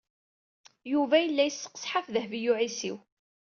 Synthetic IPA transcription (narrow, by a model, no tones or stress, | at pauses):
juvæjəlːæjəsːə̥qːə̥sħafðəhvijuʕisiw